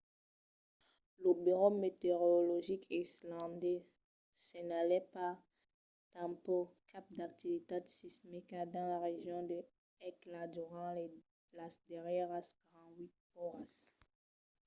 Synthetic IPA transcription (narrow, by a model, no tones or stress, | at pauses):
lobiʁomet̪eʁolɔʒikʰislɑ̃d̪ɛ | senalɛpaʁ | t̪ãmpokʰap̚d̪ak̚t̪ivit̪ad̪sismekad̪ɑ̃laʁeʒjɔ̃d̪ə | ɛklad̪yʁɑ̃le | lasd̪ɛʁjɛʁaskaʁɑ̃wit̪̚pɔʁas